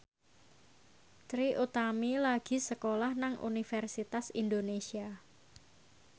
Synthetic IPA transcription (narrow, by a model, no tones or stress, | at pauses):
t̪ɾiʔut̪amilaɡ̥i̤səkolahnaŋʔṵnifɛrsit̪asindonesia